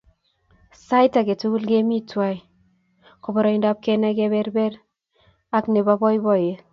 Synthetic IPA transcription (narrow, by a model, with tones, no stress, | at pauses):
sa˦jta˨ɡe˨tu˦ɡu˦lɡe˦mi˦twa˦j | ko˨bɔ˨ɾɔ˨i˦nda˦p̚kɛ˦nɛ˦ɡɛ˦bɛ˦ɾbɛ˦ɾ | a˦kne˨ba˦bɔ˦jbɔ˦˨je˦